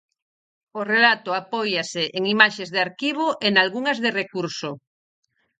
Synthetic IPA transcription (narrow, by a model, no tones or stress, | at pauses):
orelat̪ʊapɔjasɪʔeŋimaʃezðeaɾkiβ̞oʔenalɣuŋɐzðerekuɾso